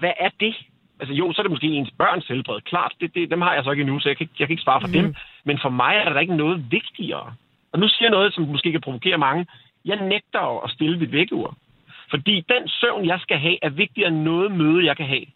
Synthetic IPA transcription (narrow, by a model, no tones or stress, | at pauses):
ʋæʔæɐd̥e̝ | ʔæls̬əjo̝̰ːsɒ̽æɐɾ̥e̝mosɡe̝̰ːe̝nsb̥ɶɐ̰nshelb̥ʁɛ̰ːð̩ˠkʰlɑ̰̈ːd̥d̥e̝d̥e̝d̥emhɑ̈jɑ̈ɪsɒ̽e̝ɡ̥inusɒjɑkʰɡ̥jɑ̈kʰæeɡ̥əsʋ̥ɑ̈ːfɒd̥emmenfɒ̽mɑ̈ɪæɐɾ̥ɑɾɑe̝ɡ̥ənɔ̽ːð̞̩ˠʋe̝ɡ̥̚d̥iɐ̰ː | ʔɒ̽nusiɐjanɔ̽ːð̞̩ˠsɒ̽mmosɡ̥e̝ːkʰæpʰʁo̝ʋo̝kʰe̝̰ːɐmɑ̈ŋə | jɑ̈ɪneɡ̥̚d̥ɐɒʔɒ̽sd̥e̝ləmid̥ʋeɡ̥əṵɐ̰ | fɒ̽d̥ḭːd̥ensøʊnjɑ̈ɪsɡ̥æɦɛ̰ːʔæɐʋe̝ɡ̥̚d̥iɐenːɔ̽ːð̞̩ˠmøːð̞̩ˠjɑ̈ɪkʰæɦɛ̰ː